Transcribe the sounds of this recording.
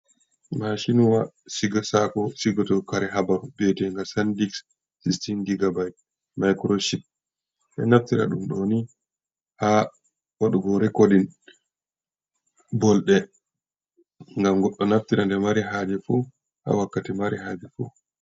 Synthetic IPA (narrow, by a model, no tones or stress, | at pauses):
maʃinuwasiɡasakɔsiɡɔtɔkaɾɛɦabaɾubɛtɛŋɡasandiksː | istindiɡabaj | majkɾoʃip̚ | ʔɛ̰naftiɾa̰ɗumɗoni | ha | ʔɔɗɔɡɔɾɛkodin | bɔlɗɛ | ŋɡamɡɔɗːɔnaftiɾandɛmaɾiɦad͡ʒɛfu | ha̰wakːatimaɾihaːd͡ʒɛfṵ